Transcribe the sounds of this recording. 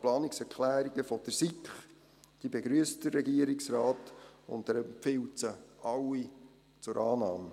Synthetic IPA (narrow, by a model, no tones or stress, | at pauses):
plɑːnɪksɛɾkʰlæːɾiɡəfɔd̥əɾsikχ | d̥ibeɡɾyəstd̥ərːɛɡiəɾiksɾɑːtʊ̰ntdəɾəmpfɪwtt͡səɑwi | t͡sʊɾʔɑːnɑːmə